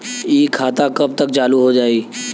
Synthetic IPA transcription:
iːkʰaːt̪akəb̚t̪ək̚t͡ʃaːluɦod͡ʒaːiː

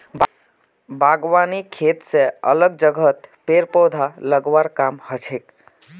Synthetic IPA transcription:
bʱaɡwanikʰet̪seə̰ləɡ̚d͡ʒəɡʱət̪peɾpod̪ʱaləɡwaɾkamhət͡ʃʰek

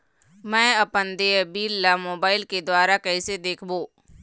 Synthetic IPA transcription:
mɛ̃ːɐpənd̪ebiːlːamoːbaːɪlked̪waːɾakɐɪsed̪eːkʰboː

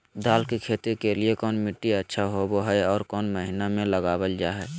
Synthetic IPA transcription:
d̪aːlkikʰeːt̪ikeliekɔːnmɪʈːiətːʃʰaɦoboɦɛɔːɾkɔːnməɦɪnamẽləɡaːbəld͡ʒaːɦɛː

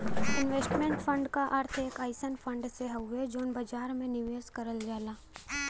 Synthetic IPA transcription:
ɪnʋeːsʈmẽːɳʈfʰə̃ɳɖkaʔɐɾt̪ʰeːkaːɪsənfʰə̃ɳɖseɦɐed͡ʒoːnbɐd͡ʒaːɾmẽnɪʋeːskɐɾəld͡ʒaːlaː

